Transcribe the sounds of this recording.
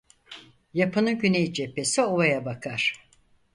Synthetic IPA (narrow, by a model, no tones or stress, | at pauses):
japʰɯnɯɟynejd͡ʒepːe̞sioβajabakʰaɾ̥